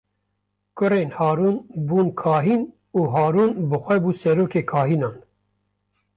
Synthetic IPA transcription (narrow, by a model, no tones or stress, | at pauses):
kʊɾeːnhɑːɾuːnbuːnkʰɑːɦiːn | uːɦɑːɾuːnbɨxʷɛbuːsɛɾoːkeːkʰɑːɦiːnɑːn